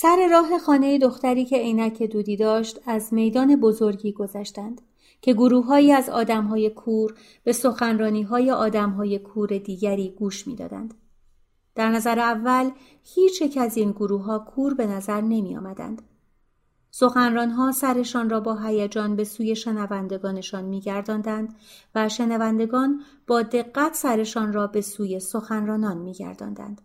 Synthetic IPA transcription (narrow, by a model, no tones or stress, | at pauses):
sæɾe̞ɾɒːɦe̞xɒːne̞jed̪o̞xt̪æɾiːcʰe̞iːnæcʰed̪uːd̪iːd̪ɒːʃt̪æzme̞jd̪ɒːne̞bo̞zo̞ɾɡɟiːɡo̞zæʃt̪ænd̪̥ | cʰe̞ɡoɾuːɦɒːiːæzɒ̰ːd̪æmɦɒːje̞kʰuːɾ | b̥e̞so̞xænrɒːniːɦɒːje̞ʔɒːd̪æmɦɒːje̞kʰuːɾe̞d̪iːɟæɾiːɡuːʃmḭːd̪ɒ̰ːd̪æ̰nd̪̥ | d̪̥æɾnæzæɾeævːæl | hiːt͡ʃʰje̞cʰæzinɡoɾuːɦɒːkʰuːɾbe̞næzæɾne̞mijɒ̰ːmæd̪æ̰nd̪̥ | so̞xænrɒːnɦɒːsæɾe̞ʃɒːnrɒːbɒːɦæjæd͡ʒɒːnbe̞suːje̞ʃe̞nævænd̪e̞ɡɒːne̞ʃɒːnmiːɟæɾd̪ɒːnd̪ænd̪væʃe̞nævænd̪e̞ɡɒːn | b̥ɒːd̪e̞ɣːæt̪ʰsæɾe̞ʃɒːnrɒːbe̞suːje̞so̞xænrɒːnɒːnmiːɟæ̰ɾd̪ɒ̰ːnd̪æ̰nd̪̥